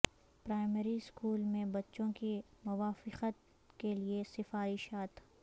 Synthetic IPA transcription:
pɾaːɪmɛɾiskuːlmẽbɐtːʃõkimʊʋaːfɪqət̪ | keliesɪfaːɾɪʃaːt̪

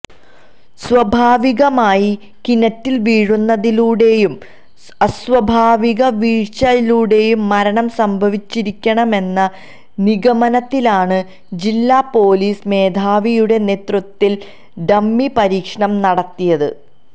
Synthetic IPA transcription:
sʋɐbʱaːʋiɣɐmaːji | kinɐtːilʋiːɻunːɐðiluːɽe̞jum | ɐsʋɐbʱaːʋiɣɐʋiːɻt͡ɕɐjiluːɽe̞jumːɐɾɐɳɐmsɐmbʱɐʋit͡ɕːiɾikʲːɐɳɐme̞nːɐ | niɣɐmɐnɐt̪ːilaːɳɨ | d͡ʑilːaːpo̞ːliːsme̞ːd̪ʱaːʋijuɽe̞ne̞ːt̪rut̪ːil | ɖɐmːipɐɾiːkʂɐɳɐmnɐɽɐt̪ːijɐðɨ̰

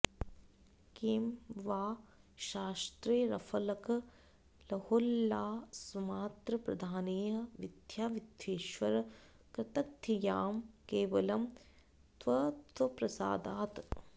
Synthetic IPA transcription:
kiːmʋaːʃaːst̪ɾeːɾɐfʰɐlɐkɐ | lɐholːaːsumaːt̪ɾɐpɾɐ̰d̪ʱaːneːɦɐʋid̪ʱjaːʋid̪ʱjeːʃʋɐɾɐ | kɾɐt̪ɐk̚t̪ʰijaːmkeːʋɐlɐm | t̪ʋɐt̪ʋɐpɾɐsa̰ːd̪aːt̪

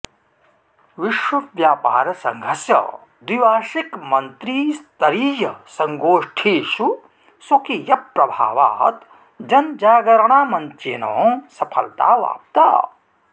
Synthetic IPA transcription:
ʋiʃwɐʋjaːpa̰ːɾɐsɐŋɡʱɐsjɐ̰ | d̪iʋaːʃikmɐnt̪ɾiːst̪ɐɾiːjɐsɐŋɡoːʂʈʰiːʃu | sokijɐpɾɐbʱa̰ːʋa̰ːt̪ | d͡ʒɐnd͡ʒaːɡɐɾɐɳaːmɐnt̪jeːno̰ːsɐpʰɐ̰lt̪a̰ːʋa̰ːp̚t̪a̰ː

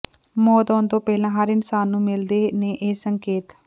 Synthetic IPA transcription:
mɔːt̪ɔːnd̪õːpɛːlãːɦəɾɪnsaːnːũːmɪld̪eːneːʔeːsəŋkeːt̪

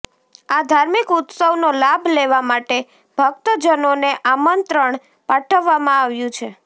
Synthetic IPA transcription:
ad̪ʱaɾmikʊt̪səʋnolabʱleʋamaʈe | b̥ʱəɡt̪əd͡ʒənoneʔamənt̪ɾəɳ̃ | paʈʰəʋːamãaʋjũt͡ʃʰe

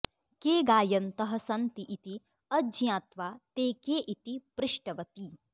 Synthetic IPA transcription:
keːɡaːjɐnt̪ɐɦɐsɐnt̪iʔit̪i | ɐd͡ʒjãːt̪ʋaːt̪eːkeːʔit̪ipɾɪʃʈɐʋɐt̪i

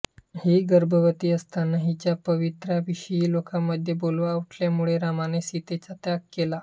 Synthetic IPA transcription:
hiɡəɾbəʋət̪iːəst̪anəɦit͡ɕjapəʋit̪ɾaʋiɕəjiːlokamːəd̪ʱːjebolʋauʈʰljamuɭeɾamanesit̪et͡sat̪jakkːela

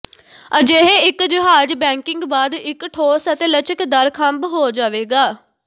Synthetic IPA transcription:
əd͡ʒeɦeɪkd͡ʒɪɦaːd͡ʒbɛ̃ːŋkɪŋɡbaːd̪ɪkʈʰoːsət̪eːlət͡ʃəkd̪əɾkʰəmbɦoːd͡ʒaːʋeːɡaː

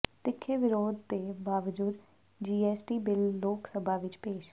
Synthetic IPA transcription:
t̪ɪkʰːeːʋɪɾoːd̪̚t̪eːbaːʋəd͡ʒuːd̪ | d͡ʒiːɛːsʈiːbɪlːoːksəbʱaːʋɪt͡ʃpeːʃ

